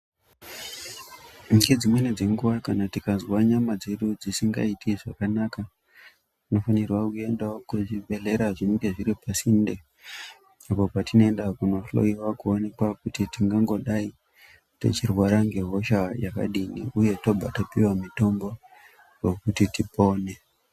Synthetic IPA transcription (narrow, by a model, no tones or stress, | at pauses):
ɡed͡zimwened͡ze̞ŋɡuwakanatikazwaɲamad͡ze̞ɗud͡zisiŋɡa̰itʰiʐakanaka | ino̞fanirwakue̞ndaokuʐiɓe̞le̞ɾaʐiŋɡe̞ʐiɾipasinde | apo̞patino̞e̞ndakuno̞flo̞̰iwakuone̞kwakutitiŋɡaŋɡo̞ɗai | to̞̰t͡ʃirwaɾaŋɡe̞ɦo̞ʃajaka̰ɗinḭuje̞to̞bʱatapiwamito̞mbo̞ | jokutitipo̞ːne̞